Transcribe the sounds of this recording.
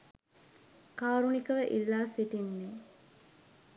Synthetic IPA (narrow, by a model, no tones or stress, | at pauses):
kaːɾunikəʋəʔilːaːsiʈinːe